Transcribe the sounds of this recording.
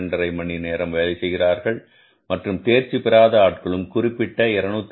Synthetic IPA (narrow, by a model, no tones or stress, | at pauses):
ɳɖɐɾɐɪmɐɳineːɾɐmʋɐːlɪsɛjɣɪraːɾɣɐɭ | mɐʈrɯmt̪eːɾt͡ʃipɪɾaːðɐaːʈ̚kɐɭɯmkʊrɪpːɪʈːɐɪɾɐnuːt̪ː